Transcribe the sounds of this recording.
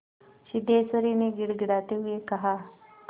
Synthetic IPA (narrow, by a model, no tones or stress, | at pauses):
ʃɪd̪eːsəɾineɡɪɽɡɪɽaːt̪eɦʊekɐɦaː